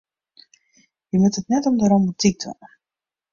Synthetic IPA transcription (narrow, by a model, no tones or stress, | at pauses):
jəmətətnɛtɔmdəɾɔmbutʰik̚tʰʋa̰nə